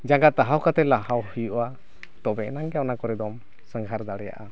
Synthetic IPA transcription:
d͡ʒaŋɡat̪aɦawkat̪ɛlahawhijuʔwa | t̪ɔbɛnaŋɡɛjawnakɔɾɛd̪ɔm | səŋɡʱaɾd̪aɽɛja̰ʔa

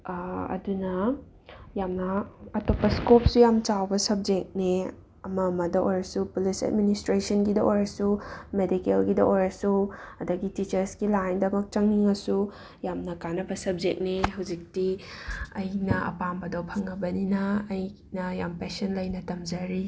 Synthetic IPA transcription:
ɐ̰dunɐ | jamnɐɐtopːɐskop̚sujamt͡ʃawbɐsɐb̚d͡ʒek̚ni | ɐmɐmɐdɐʔojɾɐsupulisɐ̰d̚ministɾesɐnɡidɐʔojɾɐsumedikelɡidɐʔojɾɐsuɐdɐɡitit͡ʃɐɾsɡilajndɐmɐk̚t͡ʃɐŋniŋɐsu | jamnɐkanɐbɐsɐb̚d͡ʒek̚niɦɐwd͡ʒik̚tiɐjnɐɐ̰pambɐdowpʰɐŋɐbɐninɐːj | nɐjampesɐnlɐjnɐtɐmzɐɾi

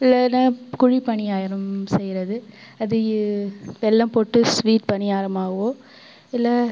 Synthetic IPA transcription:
ɪlːɐnːakʊɻipɐɳɪjaːjɪɾɐmsɛjɪɾɐðɯ | ɐðɯ | ʋɛlːɐ̃mpoːʈːɯsʋiːʈpɐɳɪjaːɾɐmaːɣɐʋoː | ɪlːɐ

